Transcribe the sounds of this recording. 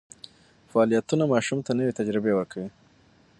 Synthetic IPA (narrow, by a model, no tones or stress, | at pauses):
faːlijat̪unamɑʃumt̪anəwet̪ad͡ʒɾɪbewəɾkʰawi